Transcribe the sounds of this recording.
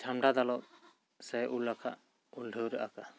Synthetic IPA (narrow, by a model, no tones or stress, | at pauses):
d͡ʒʰamɖad̪alɔʔ̚ | sɛʔulakʰaʔ | ulɖʱəwɾaʔaka